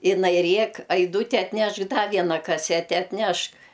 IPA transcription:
ɪˈnɐɪ ˈrʲeːk ɐɪˈduːtʲɪ ɐtʲˈnʲɛʃk dɐ ˈʋʲiɛnɐ kɐˈsʲæːtʲɛ ɐtʲˈnʲɛʃk

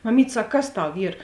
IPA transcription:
mɐˈmʲiːtʲ ˈsɐk ˈkɐs ˈtɐʊ ˈiːr

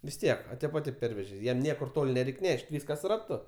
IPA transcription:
ʋʲɪs ˈtʲiɛk ɐ ˈtʲeːp ɐ ˈtʲeːp ˈpʲɛrʲʋʲɛʒʲeː ˈjɛm ˈnʲiɛkʊr ˈtoːlʲ nʲɛˈrʲɛɪkʲ ˈnʲɛʃʲtʲ ˈʋʲiːskɐs rɐˈtʊ

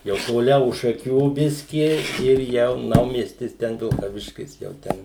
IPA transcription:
jɛʊ toːˈlʲɛʊ ʊʃ ʃɐˈkʲuː ˈbʲɪsʲkʲɪ ɪr ˈjɛʊ ˈnɐʊmʲiɛsʲtʲɪs ˈtʲɛn ʋʲɪlˠkɐˈʋʲɪʃʲkʲɪs jɛʊ ˈtʲɛn

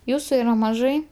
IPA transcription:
ˈjuːsʊ iːˈrɐ mɐˈʒɐɪ

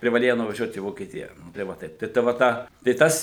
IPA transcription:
pʲrʲɪʋɐˈlʲeːjɛ nʊʋɐˈʒʲuɔt iː ʋoːkʲiɛˈtʲɪjɛ nʊ tɐɪ ˈʋɐ tɐɪp ˈtɐɪ ˈtɐ ʋɐ ˈtɑː tɐɪ ˈtɐs

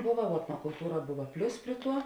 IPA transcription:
ˈbʊʋɐ ʋuɔ ɛtnoːkʊlˠˈtuːrɐ ˈbʊʋɐ ˈpʲlʲʊs ˈpʲrʲiɛ ˌtuɔ

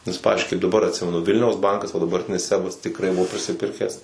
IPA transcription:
nʲɛs ˈpɑːʋʲɪzʲd͡ʒʲʊɪ kɐɪp dɐˈbɐr ɐtʲˈsʲɪmʲɛnʊ ˈʋʲɪlʲnʲɛʊs ˈbɐŋkɐs ʋɐ dɐbɐrʲˈtʲɪnʲɪs ˈsʲæːbɐs tʲɪˈkrɐɪ ˈbʊʋoː pʲrʲɪsʲɪˈpʲɪrʲkʲæːs

